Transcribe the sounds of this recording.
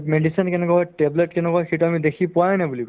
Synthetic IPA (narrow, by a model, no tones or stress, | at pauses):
meɖisɔnkɛnɛkɔjʈebletkɛnɛkɔjxituamid̪ekʰipʊajnɛbulikɔ